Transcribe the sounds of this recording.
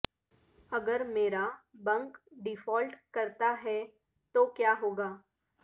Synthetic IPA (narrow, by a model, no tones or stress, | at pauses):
ɐɡəɾmeːɾabɐ̃ŋkɖɪfɔːlʈkɐɾt̪aɦɛ | t̪okjaːɦoːɡaː